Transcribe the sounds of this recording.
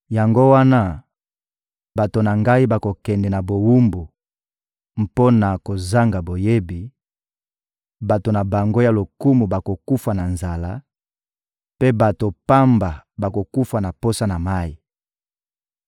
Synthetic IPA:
ja˨ŋɡo˦wa˦na˦ | ba˨to˨na˨ŋɡa˦i˦ba˨ko˨kɛ˨ndɛ˨na˨bo˨wu˦mbu˨ | m˦po˦na˨ko˨za˦ŋɡa˨bo˨je˦bi˨ | ba˨to˨na˨ba˨ŋɡo˦ja˨lo˨ku˦mu˨ba˨ko˨ku˦fa˨na˨nza˨la̰˦ | pe˦ba˨to˨pa˦mba˨ba˨ko˨ku˦fa˨na˨po˦sa˦na˨ma˦i˨

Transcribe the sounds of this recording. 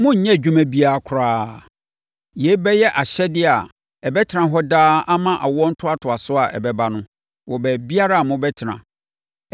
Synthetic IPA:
mʊ̃˦ɲ̩˨ɲɛ̃˦˨d͡ʑᶣu˦mæ̃˦bi˦a˨a˨kʰʊ˨ɾaː˦ | je˨˦bɛ˦jɛ˦ʔa˨ɕɛ˦dɪ˦a˨ | ɛ˨bɛ˦tʰɪ˨nã˨ɦɔ˦daː˦a˦mã˦ʔa˨wɔ˦n̩˦tʰʊ˦a˦tʰʊ˨a˨sʊ˦a˨ʔɛ̰˨bɛ˦ba˦nʊ̃˦ | wɔ˨bɛ˨bi˦a˦ɾa˦˨mʊ̃˦bɛ˦tʰɪ˨ɾã̰˨

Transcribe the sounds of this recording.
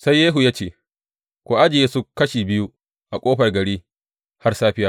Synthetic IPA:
sa˦jːeː˦ɦu˨jaː˦t͡ʃeː˦˨ | kʷoː˨ʔa˦d͡ʒɪ˨jeː˦su˦kːɐ˦ʃiː˨bɪ˦ju˦ | ʔa˨kʷʼoː˦ɸɐ˨rɡɐ˨ɽiː˦ | ha˦rsaː˦ɸɪ˦jaː˦

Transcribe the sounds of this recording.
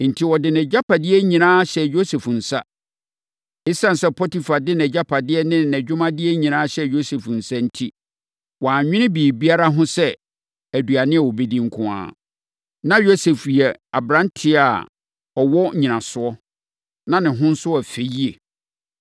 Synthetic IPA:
n̩˨tʰi˦˨wɔ˨dɪ̃˨nɛ̃˨d͡ʑa˦pʰa˨dɪ˦ɛ˦ɲĩ˨nãː˦ɕɛ˨jo˦se˨fn̩˨sa˦ | ɪ˦sã˦n̩˨sɛ˦pʰɔ˦ti˨fa˨dɪ˦nɛ̃˨d͡ʑa˦pʰa˨dɪ˦ɛ˦nɪ̃˦˨nɛ̃˨d͡ʑᶣʊ˦mã˦dɪ˦ɛ˦ɲĩ˨nã˦ɕɛ˨jo˦se˨fn̩˨sa˦n̩˦tʰi˦ | wãː˨ɲᶣɪ̃˦nɪ̃˦biː˨bi˦a˦ɾa˦ɦʊ̃˦sɛ˦ | æ˨du˨a˨nɪ̃˦ɛ˨wo˨be˦dĩ˦ŋ̩˦kʰʊ̃˦a̰ː˦ | nã˦jo˦se˨fi˨ɛ˨a̰˨bɾã˦n˦tʰɪ˦a̰˨ | ɔ˨wɔ˦˨ɲĩ˨nã˨sʊ˦ɔ˦ | nã˦nɪ̃˨ɦʊ̃˦n̩˦sʊ˦a˨fe˨ji˦e˨

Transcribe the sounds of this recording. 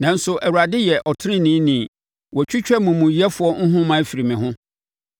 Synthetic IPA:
nã˨n̩˦sʊ˨ʔæ˨wu˨ɾa˨dɪ˦jɛ˨ʔɔ˨tʰɪ˦ɾɪ̃˦nĩː˨˦nĩ˨ | wɔ˨t͡ɕʰᶣi˦t͡ɕᶣɛ˦mũ˨mũ˨ji˦ɛ˦fʊ˨ɔ˦ŋ̩˦ɦʊ̃˦mã˨˦˨fi˨ɾi˨mɪ̃˨hɦʊ̃˦

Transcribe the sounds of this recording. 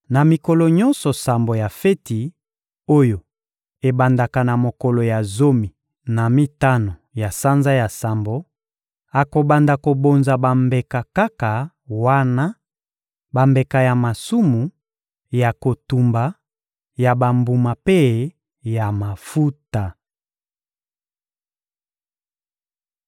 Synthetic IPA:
na˨mi˨ko˨lɔ˨ɲɔ˦nsɔ˨sa˨mbo˨ja˨fe˦ti˨ | o˦jo˨ | e˨ba˨nda˨ka˨na˨mo˨ko˨lo˨ja˨zo˦mi˨ | na˨mi˦ta˦no˨ja˨sa˦nza˦ja˨sa˨mbo˨ | a˨ko˨ba˨nda˨ko˨bo˨nza˨ba˨mbe˨ka˨ka˦ka˨ | wa˦na˦ | ba˨mbe˨ka˨ja˨ma˨su˦mu˨ | ja˨ko˨tu˨mba˨ | ja˨ba˨mbu˨ma˨pe˦ | ja˨ma˨fu˦ta˨

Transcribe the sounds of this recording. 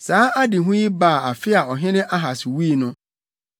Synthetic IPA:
saː˨˦a˦dɪ˨ɦʊ̃˦ji˦baː˦˨a˨fɪ˦a˨ɔ˨ɦɪ̃˦nɪ̃˦ʔa˦ɦa˨sɪ˨wiː˦˨nʊ̃˦

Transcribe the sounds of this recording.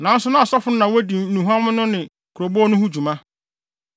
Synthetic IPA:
nã˨n̩˦sʊ˦nʊ̃˦a˨sɔ˦fʊ˦ʊ̃˦nã˨wo˦di˨nũ˨ɦã˦mʊ̃˦nʊ̃˦nɪ̃˨ | kʰʊ˨ɾo˨bɔ˦nʊ̃˦hu˦d͡ʑu˨mã˦

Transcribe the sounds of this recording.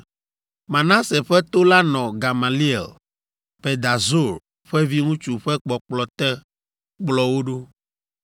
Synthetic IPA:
mã˨nã˦se˨ɸɛ˦t̪o˦la˦nɔ̃˨ɡa˨ma˨li˦e˨l | pe˨d̪a˨zo˦˨ɾ | ɸɛ˦vi˦ŋũ˦t͡ʃu˨ɸɛ˦k͡pɔ˨k͡plɔ˨t̪ɛ˦ | k͡plɔ˦wo˦ɖo˦

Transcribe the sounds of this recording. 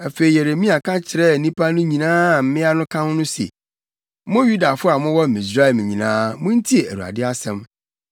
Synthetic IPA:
ɛ˨fe˨i˨jɛ˨ɾe˨mĩ˦a˨kʰã˦t͡ɕʰɪ˨ɾɛ˦˨˦nĩ˦pʰa˦nʊ̃˦ɲĩ˨nãː˦˨m̩˦mɪ̃˦a˦nʊ̃˦kʰã˦nʊ̃˦nʊ̃˦sḛ˨˦ | mʊ̃˦ju˦da˨fʊ˦a˨mʊ̃˦wɔ˦m̩˨mĩ˨s̬ɾa˦ɛ˨m˨ɲĩ˨nãː˦mʊ̃˦n̩˦tʰi˦e˨æ̰˨ɾu˨a̰˨dɪ˦a˦sɛ̃˦m

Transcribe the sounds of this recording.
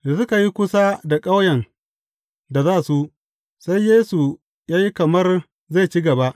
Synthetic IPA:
da˨sʊ˦ka˨ji˦kʷʊ˦sa˦da˨kʼa˦wjɐ˨n | da˨zaː˦˨su˦ʔ | sa˦jjeː˦su˨ | jaː˦ji˦kɐ˨mɐ˦r | za˦˨jt͡ʃi˦ɡɐ˨ba˦ʔ

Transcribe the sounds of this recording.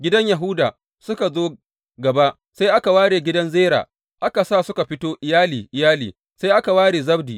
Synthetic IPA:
ɡʲɪ˦dɐ˦ɲja˨ɦʊ˦daː˨ | sʊ˦ka˨zoː˦ | ɡɐ˨ba˦ʔ | sa˦jʔa˦ka˨waː˦ɽeː˨ɡʲɪ˦dɐ˦nzeː˦ɾa̰ː˨ | ʔa˦ka˨saː˦˨sʊ˦ka˨ɸɪ˦toː˦ʔɪ˨jaː˦liː˨ʔɪ˨jaː˦liː˨ | sa˦jʔa˦ka˨waː˦ɽeː˨zɐ˦bdiː˨

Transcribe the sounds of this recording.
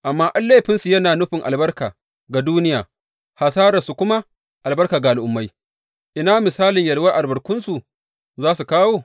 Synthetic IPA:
ʔa˨mːaː˦ʔa˦nlːeː˦ɸɪ˦nsu˨jɐ˦naː˨nʊ˦ɸɪ˨ŋʔa˨lbɐ˦rkaː˨ | ɡa˨duː˦nɪ˦jaː˨ | ha˨saː˦ɾɐ˨su˨kʷʊ˦ma˦ | ʔa˨lbɐ˦rkaː˨ɡa˨ʔa˨lʔʊ˨mːa˦j | ʔɪ˨naː˦mɪ˨saː˦lɪ˨ɲjɐ˨ɽwaː˦ʔa˨lbɐ˨ɽkʷʊ˦nsu˨ | zaː˦su˨kaː˦woː˦

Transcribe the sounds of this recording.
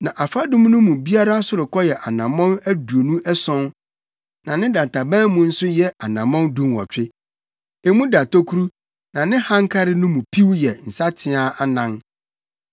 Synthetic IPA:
nã˨ʔa˨fa˦dʊ̃˦m˦nʊ̃˦mũ˨bi˦a˦ɾa˦sʊ˨ɾʊ˨kʰɔ˦jɛ˨ʔa˨nã˨mɔ̃˦næ˦du˨o˨nũ˦ʔɛ˦sɔ̃˦n | nã˨nɪ̃˦dã˨n˨tʰa˨bɛ̃˦mũ˨˦n̩˦sʊ˦jɛ˦a˨nã˨mɔ̃˦ndũ˦mwɔ̰˨t͡ɕᶣɪ˦ | e˨mũ˦da˨tʰo˦kʰu˦ɾu˦ | nã˨nɪ̃˦hã˦ŋ˦kʰa˦ɾɪ˦nʊ̃˦mũ˨pʰi˦wjɛ˨n̩˨sa˦tʰɪ˦a˦ʔa˨nã˨n

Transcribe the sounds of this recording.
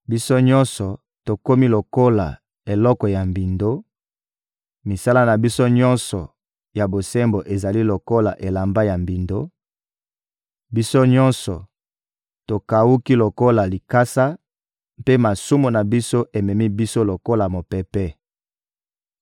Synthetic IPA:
bi˦so˦ɲɔ˦nsɔ˨ | to˨ko˦mi˦lo˨ko˦la̰˨ | e˨lɔ˦kɔ˨ja˨mbi˨ndo˦ | mi˨sa˦la˦na˨bi˦so˦ɲɔ̃˦nsɔ˨ | ja˨bo˨se˦mbo˨ʔe˨za˨li˦lo˨ko˦la˨ʔe˨la˨mba˦ja˨mbi˨ndo˦ | bi˦so˦ɲɔ̃˦nsɔ˨ | to˨ka˨wu˦ki˦lo˨ko˦la˨li˨ka˦sa˦ | mpe˦ma˨su˦mu˨na˨bi˦so˦ʔe˨mɛ˨mi˦bi˦so˦lo˨ko˦la˨mo˨pɛ˨pɛ˦

